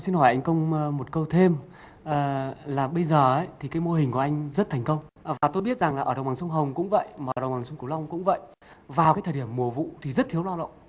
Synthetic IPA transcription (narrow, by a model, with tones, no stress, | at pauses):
si˧nhɔ˧˩jʔa˧jŋ̟kə˧wŋ͡mmo˨˩t̚kə˧wt̪ʰe˧m | ʔːlaː˨˩ɓə˧jzəː˨˩ʔə˨˦jt̪ʰi˨˩kaː˨˦jmo˧hɦï˨˩ŋ̟ku˧˩ʔa˧ŋ̟zə˦˥t̚t̪ʰɛ˨˩ŋ̟kə˧wŋ͡mvaː˨˩t̪o˧jɓi˦˥ət̚za˨˩ŋlaː˨˩ʔəː˧˩ə˨˩ŋ͡mɓaː˨˩ŋsə˧wŋ͡mɦə˨˩wŋ͡mkʊ̰˧˥ŋ͡mvə̰˧˨jmaː˨˧˨ə˧˩ɗə˨˩ŋ͡mɓaː˨˩ŋsə˧ŋ͡mk̪u˧˩la˧wŋ͡mkʊ̰˧˥ŋ͡mvə̰˧˨j | vaː˨˩wkaː˨˦jt̪ʰəː˨˩i˧˩əmːu˧˩əvṵ˧˨t̪ʰi˨˩zə˦˥t̚t̪ʰi˦əwlaː˧wə̰˧˨